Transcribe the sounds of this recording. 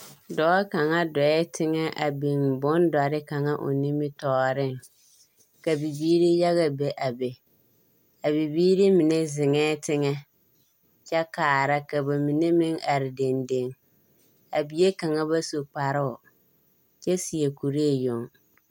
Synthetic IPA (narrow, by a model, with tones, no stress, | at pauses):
dɔː˦ka˨ŋa˦dɔ˨ɛ˦tʰɪ˦ŋɛ˦ʔa̰˨bɪ˨nbʊ˦nda˨ɾɪ˦ka˨ŋa̰˦ʔʊ̰˨nɪ˦mɪ˦tɔː˦ɾɪ˦˨ŋ | ka˨bi˨biː˦ɾi˦ja˦ɣa˨be˨ʔa˨bɛ˨ | a˨bi˨biː˦ɾi˦mɪ˨ne˦zɪ˨ŋɛː˦tɪ˦ŋɛ˦ | t͡ʃɛ˦kaː˨ɾa˦ka˨ba˨mi˨ne˦mɪ˦ŋa˨ɾɪ˨de˨nde˨ŋ | a˨bi˨je˦ka˨ŋa˦ba˦so˨k͡pa˨ɾɪ˦ʊ˨ | t͡ʃɛ˦si˨e˨ku˨ɾe˦˨jʊ˨ŋ